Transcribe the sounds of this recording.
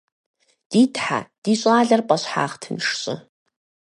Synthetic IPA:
d̥iːtʰħa̰d̥iɕʼaːɮɐrpʼɐɕħa̰ːχtʰɨmʂɕʼɪ̰

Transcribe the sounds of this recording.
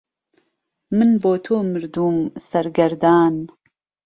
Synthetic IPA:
mɨnboːt̪ʰoːmɨɾd̪uːmsɐɾɡɐɾd̪aːn

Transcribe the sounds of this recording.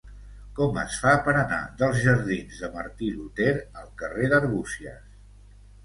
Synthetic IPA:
kɔmə̰sfapəɾəna̰ðəlˠzʒəɾðinzðəməɾt̪ilut̪eɾəlˠkəreðəɾβusiə̰s

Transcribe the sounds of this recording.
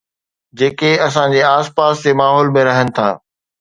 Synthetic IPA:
d͡ʑeːkeɐsãd͡ʑeːaːspaːst̪emaːɦɔːlmẽɾɐɦənɪ̆t̪ʰa̰ː

